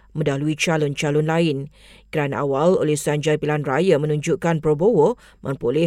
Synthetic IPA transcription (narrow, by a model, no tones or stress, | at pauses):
mə̃daluit͡ʃalʊnt͡ʃalʊnlaɪn | kəɾanaʔawalo̰lehsaɲd͡ʒarpilanrajamə̃nũɲd͡ʒuʔkanpɾobowo | mʔə̰̃mpolɛ